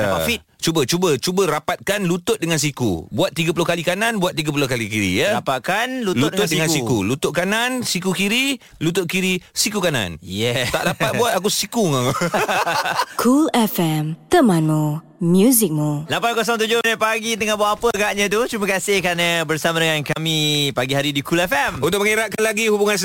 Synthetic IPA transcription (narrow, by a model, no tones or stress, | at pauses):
aafit̪̚t͡ʃubət͡ʃubət͡ʃubəɾapat̪̚kanlut̪ʊt̪̚dəŋans̬ikṵbuat̪ːiɡəp̬ulʊhkalikanãnbuat̪̚ːiɡəp̬ulohkalikiɾḭjəɾapat̪̚kanlutld̪ʊt̪̚dəŋansikulut̪ʊʔ̚kanansikukiɾi | lut̪ʊʔ̚kiɾisikukanã̰njɛt̪a̰ʔdapat̪̚buat̪̚ak̬usikuŋa | kʰulɛfɛmt̪əmãnmu | mjuzɪk̚mulapankɔs̬ɔŋt̪ud͡ʒʊhnəpaɡit̪̬əŋanbuaʔapəɡaʔɲə̃t̪̬ut͡ʃuməkasɪhkanəbərsamadəŋankamĩpaɡiɦaɾidikulɛfɛmunt̪ʊk̚məŋeɾaʔkanlaɡihubuŋans